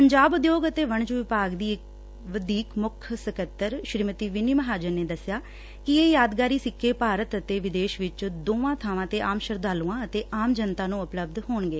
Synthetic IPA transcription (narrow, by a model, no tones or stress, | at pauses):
ppəɲd͡ʒaːbʊd̪joːɡət̪eːʋəɳd͡ʒuʋɪpaːɡd̪iːɪk | ʋəd̪iːkmʊkʰsəkət̪ːəɾʃɾiːmət̪iːʋɪniːməɦaːd͡ʒəɾneːd̪əsɪjaː | kɪeːjaːd̪ɡaːɾiːsɪkʰːeːpaːɾət̪ət̪eːʋɪd̪eːʃʋɪt͡ʃd̪oːʋãːt̪ʰaːʋãːt̪eːʔaːmʃəɾd̪aːlũːãːət̪eːaːmd͡ʒənt̪aːnũːʊpləb̚d̪ɦoːɳɡeː